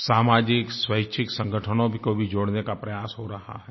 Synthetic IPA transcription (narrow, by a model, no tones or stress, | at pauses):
saːmaːd͡ʒɪkswəɪt͡ʃʰɪksə̃ŋɡʱəʈʰənõbʱikobʱid͡ʒoːɽnekapɾɐjaːsɦoɾɐɦa̰ɦɛː